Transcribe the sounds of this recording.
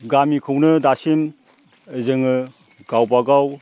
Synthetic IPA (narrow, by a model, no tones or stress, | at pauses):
ɡamikʰɯwnɯdasim | ɯzɯŋɯ | ɡawbaɡaw